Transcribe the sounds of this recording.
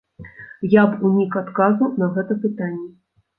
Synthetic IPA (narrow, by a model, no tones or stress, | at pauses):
japunʲikat̪kazunɐɣɛt̪ɐpɨt̪anʲːɛ